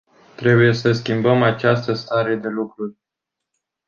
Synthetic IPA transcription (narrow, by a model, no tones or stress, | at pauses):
t̪ɾe̞buje̞səskʲimbəmat͡ʃast̪əst̪aɾe̞d̪e̞lukɾurʲ